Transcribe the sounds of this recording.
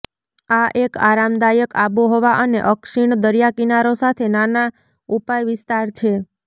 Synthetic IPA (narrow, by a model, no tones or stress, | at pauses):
aʔeka̰ɾamd̪ajəkaboɦoʋaʔənḛʔəkʃiɳd̪əɾjakinaɾosat̪ʰenana | upajʋɪst̪aɾt͡ʃʰe